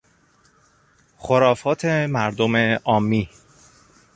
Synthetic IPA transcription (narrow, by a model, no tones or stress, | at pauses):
xoɾɒːfɒːt̪ʰemæɾd̪ome̞ɒːmːiː